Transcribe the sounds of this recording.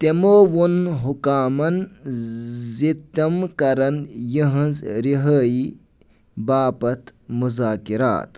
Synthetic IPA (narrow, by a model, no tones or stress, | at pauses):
t̪emoːwonɦukaːmɐn | zit̪ɐmkɐɾɐnjiɦɐ̃nzɾiɦəːji | baːpɐt̪muzaːkiɾa̰ːt̪